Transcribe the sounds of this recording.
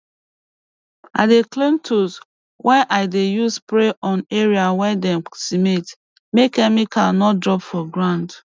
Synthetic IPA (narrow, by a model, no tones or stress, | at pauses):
a̰deklẽmtʰus | wʔɛ̃nʔaɪdejuspɾeʔɔ̃neɹiawɛ̃dɛ̃msimet | mekɛmikʰalnɔt̚dɹɔpfɔɡɹãnd